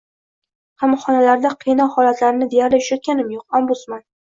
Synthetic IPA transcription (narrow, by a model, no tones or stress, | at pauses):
hɑmχɒnalaɾd̪aqʰijnɒhɒlat̪laɾɪnɪd̪e̞jaɾlɪʊ̥ʃat̪̚kʲanɪmjoqambʊsman